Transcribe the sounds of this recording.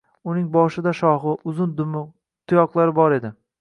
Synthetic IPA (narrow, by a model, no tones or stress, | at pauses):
ʊnɪŋbɒʃɪd̪aʃɒχɨʔʊzʊn | t̪ʰʊjɒqlˠaɾɪbɒɾe̞d̪ɪ